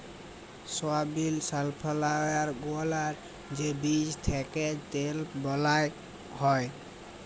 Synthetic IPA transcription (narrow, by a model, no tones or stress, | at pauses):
sɔabilsalpʰalajaɾɡoalaɾ | d͡ʒebid͡ʒt̪ʰɛkɛt̪elbɔlaj | hɔj